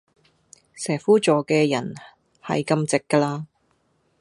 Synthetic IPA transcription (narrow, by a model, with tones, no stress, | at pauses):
sɛː˨˩fuː˥t͡ʃɔː˨kɛː˧jɐ˨˩n | hɐ̰˨jkɐ˧mt͡sɪ˨kːɐ˧laː˧